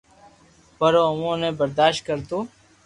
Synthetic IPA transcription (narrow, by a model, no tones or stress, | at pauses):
pəɾoːʊmõːnẽːbəɾd̪aːʃt̪̚kəɾt̪oː